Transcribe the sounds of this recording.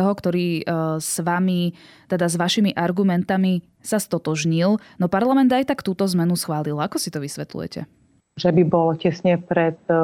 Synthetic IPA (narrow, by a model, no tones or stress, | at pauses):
ɔɦɔkt̪ɔɾiːsʋami | t̪ɛd̪azʋaʃimiʔaɾɡumɛnt̪ami | sast̪ɔt̪ɔʒɲilnɔpaɾlamɛnd̪ajt̪akt̪uːt̪ɔzmɛnusxʋaːlilakɔsit̪ɔʋisʋɛt̪lṵjɛ̰cɛ̰ | ʒɛbibɔlcɛsɲɛpɾɛt̪̚